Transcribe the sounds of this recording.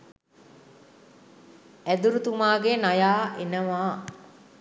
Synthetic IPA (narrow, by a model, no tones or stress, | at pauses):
æd̪uɾut̪umaːɡenajaːʔenəʋaː